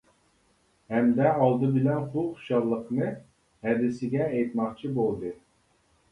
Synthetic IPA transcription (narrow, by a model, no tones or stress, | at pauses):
hɛmd̪ɛɑlˠd̪ɨbɪlɛnχuqʃɑllˠːəqnɨ | hɛd̪ɪsɪɡʲɛːjt̪mɑχt͡ʃʰibolˠd̪ɨ